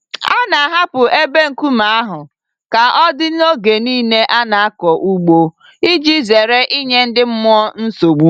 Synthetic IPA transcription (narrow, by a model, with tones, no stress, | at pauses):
a˦na˨ɦa˦pʊ˨ʔe˦be˦ŋ̩˨ku˦ma˨a˦ɦʊ˨ | ka˨ʔɔ˦dɪ˦n˦o˦ɡe˨niː˦ne˦ʔa˦na˨a˦kɔ˨ʔu˦ɡ͡bo˦ | i˦d͡ʒi˦ze˨ɾe˦ʔi˦ɲe˦n̩˦dɪ˦m̩˦mʊ˦ɔ˦n̩˦so˨ɡ͡bu˦